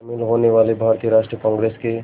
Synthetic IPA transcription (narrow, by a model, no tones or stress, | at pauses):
milɦoneʋaːlebʱaːɾt̪ijəɾaːʃʈɾiəkɔ̃ːŋɡɾeːske